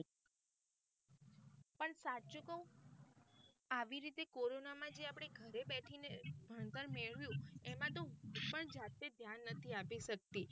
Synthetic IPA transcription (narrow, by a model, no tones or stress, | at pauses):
pəɳsat͡ʃoko | aʋiɾit̪ekoɾonamãd͡ʒeapɽ̃eɡʱəɾebɛʈʰinebʱəɳt̪əɾmeɭʋjũemãt̪õpəɳd͡ʒat̪ed̪ʱjanːət̪ʰiapiʃək̚t̪i